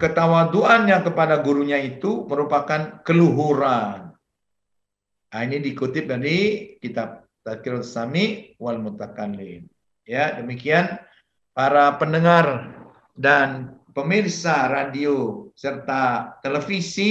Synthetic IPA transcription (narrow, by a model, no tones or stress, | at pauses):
kət̪awad̪uanɲakəpadaɡuɾuɲait̪uməɾupakankəluɦuɾan | ainidikut̪ɪp̚daɾikit̪ap̚ | t̪akɪlsamiwalmut̪akalin | jadəmikian | paɾapənəŋar | danpəmirsaɾadiosərt̪at̪eləfisi